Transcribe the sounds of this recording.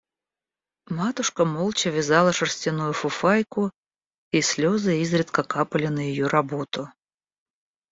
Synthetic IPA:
mat̪ʊʂkəmolˠt͡ɕɪvʲɪzɑlˠəʂərsʲtʲɪnujʊfʊfajkʊ | isʲlʲozɨizɾʲɪt̪kəkapəlʲɪnəjɪjoɾɐbot̪ʊ

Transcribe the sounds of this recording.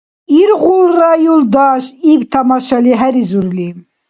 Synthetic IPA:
iɾʁulrajuld̪ɑʃivt̪ʰamɑʃaliɦæɾizuɾlim

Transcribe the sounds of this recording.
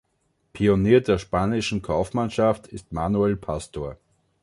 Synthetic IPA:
pʰioniːɐdeːɐʃpaːnɪʃn̩kʰaʊfmanʃaftɪstmaːnuelpʰastoːɐ

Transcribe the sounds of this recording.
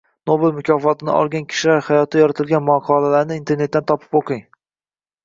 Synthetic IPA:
nobelmʊkʰʲɒfɒt̪ʰɪnɪ̰ɒ̰lˠɡʲankʲʰɪ̥ʃɪlaɾhajɒt̪ʰajɒɾat̪ʰɪlɡʲanmɒqʰɒlalaɾnɪint̪ʰe̞ɾne̞t̪ːant̪ʰɒpʰɪ̥poqʰɨŋ

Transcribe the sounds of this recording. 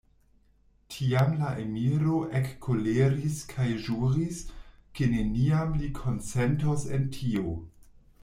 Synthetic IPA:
tʰiamlaʔemiɾo̞ʔekːoleɾiskʰajʒuɾiskeneniamlikʰo̞nt͡sentosḛntʰio

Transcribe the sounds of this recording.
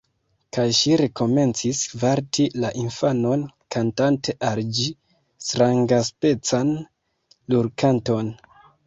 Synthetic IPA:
kajʃiɾe̞ko̞me̞nt͡sisvaɾtʰilaʔinfano̞nkantante̞ʔald͡ʒi | stɾaŋɡaspe̞t͡san | luɾkanto̞n

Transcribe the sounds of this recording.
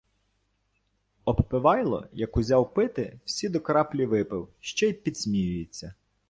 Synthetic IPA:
ɔppɪʋɑjlˠɔ̰jɐkʊzʲɑwpɪt̪ɪwsʲid̪ɔkɐɾɑplʲiʋɪpɪwʃt͡ʃɛjpʲid̪sʲmʲijʊjet͡sʲːɐ

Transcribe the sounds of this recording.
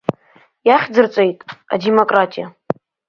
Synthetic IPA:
jaχʲd͡zɨrt͡sʷʼejtʼa̰demokʼratʼija

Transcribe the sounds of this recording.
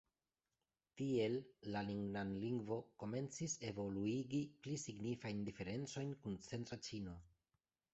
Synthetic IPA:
tie̞lːaliŋɡnanliŋɡvo̞ko̞me̞nt͡sise̞vo̞luiɡiplisiɡnifajndife̞ɾe̞nt͡so̞jnkunt͡se̞ntɾat͡ʃino̞

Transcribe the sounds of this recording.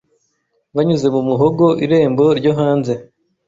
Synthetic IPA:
βaɲuze̞mumuɦoɡo̞ʔiɾe̞ːmbo̞ɾɟoɦaːnze̞

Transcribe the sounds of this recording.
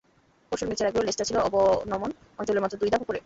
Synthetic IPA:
poɾʃoɾmet͡ɕʰeɾaɡeolesʈat͡ɕʰiloɔbonɔmon | ɔnt͡ɕoleɾmat̪ːɾod̪ujd̪apokoɾe

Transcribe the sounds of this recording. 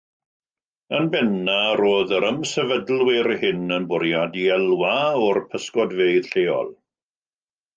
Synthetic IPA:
ənbɛnaɾoːðəɾəmsɛvədlˠwɪɾhɪnənbʊɾjadiɛlˠwaɔrpʰəskɔdveɨð̥ɬeːɔ̰lˠ

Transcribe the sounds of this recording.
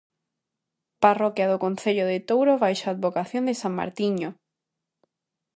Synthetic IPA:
parɔkjaðokõn̟θeʎoðet̪owɾoβajʃaːd̪βokaθjõnd̪esaŋma̰ɾt̪iɲo

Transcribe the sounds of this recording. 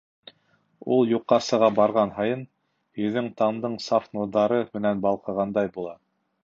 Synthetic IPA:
ulˠjuqːɑsɤ̆ʁɑbɑɾʁɑnɦɑjɤn | hɵ̆ðɘŋt̪ɑmd̪ɤɴsɑfnuɾðɑɾɤmɘ̆nænbɑlˠqɤ̆ʁɑnd̪ɑjbulˠɑ

